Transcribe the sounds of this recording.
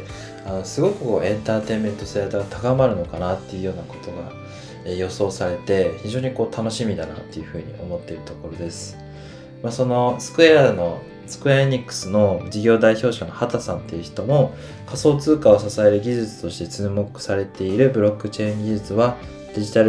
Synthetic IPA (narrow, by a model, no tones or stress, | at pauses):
ano̞sɨɡo̞kɯ̟ko̞̰ːẽ̞nt̪aːt̪e̞ːmẽ̞nt̪o̞sat̪aɡat̪ʰakamaɾɯ̟no̞kanat̪ːe̞jɯ̟jo̞ːnako̞̥t̪o̞ɡa̰ | ejo̞so̞ːsaɾe̞t̪e̞çiʑo̞ːɲ̟iko̞ːt̪ʰano̞ɕimʲid̪ana̰t̪ːe̞jɯ̟ɸɯ̟ːɲ̟ḭʔo̞̰mo̞t̪ːe̞iɾɯ̟t̪o̞ko̞ɾo̞d̪e̞sɨ̥ | maso̞no̞sɨ̥kɯ̟ano̞ | sɨ̥kɯ̟aɲ̟ikːɯ̥sɨno̞d͡ʑiɡʲo̞ːd̪aiço̞ːɕano̞hat̪asãnt̪ːe̞jɯ̟çi̥t̪o̞mo | kaso̞ːt͡sɨːkao̞sasae̞ɾɯ̟ɡʲiʑɨt͡sɨ̥t̪o̞ɕi̥t̪e̞t͡sɨːmo̞kɯ̟̥saɾe̞t̪e̞iɾɯ̟bɯ̟ɾo̞kːɯ̟t͡ɕe̞ĩŋɡʲiʑɨt͡sɨβa | d̪̥e̞ʑit̪aɾ